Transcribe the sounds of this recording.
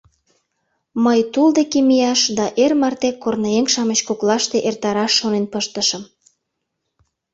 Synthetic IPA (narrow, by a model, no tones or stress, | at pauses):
məjt̪uld̪ekemijɑʃd̪ɑʔermɑrt̪ekornɑeŋʃɑmət͡ɕkoklɑʃt̪eʔert̪ɑɾɑʃːonenpəʃt̪əʃəm